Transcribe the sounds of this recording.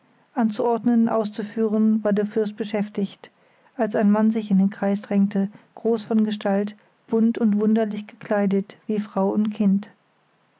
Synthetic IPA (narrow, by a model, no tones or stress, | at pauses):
ʔant͡suʔɔɐdnənʔa̰ʊst͡sufyːʁənvaːɐdeːɐfɪɐst̚b̥əʃɛftɪçt | ʔalsaɪnmanzɪçɪndeːnkʁ̥aɪsd̥ʁɛŋtʰəɡ̥ʁoːsfɔnɡəʃtʰalt | b̥ʊntʊntv̥ʊndɐlɪçɡ̥əkʰl̥aɪdətv̥iːfʁ̥aʊʊntkʰɪnt